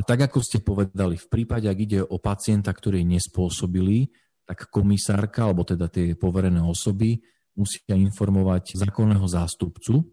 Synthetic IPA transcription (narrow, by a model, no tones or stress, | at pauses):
t̪aɡakɔscɛpɔʋɛd̪alifpɾiːpaɟɛaɡiɟɛʔɔpat͡sɪɛnt̪akt̪ɔɾiːɲɛspʊɔsɔbili | t̪akːɔmisaːɾkaalɛbɔt̪ɛd̪at̪ɪɛpɔʋɛɾɛnɛːɔsɔbi | musi̥ːcainfɔɾmɔʋaczaːkɔnːɛːɦɔzaːst̪upt͡su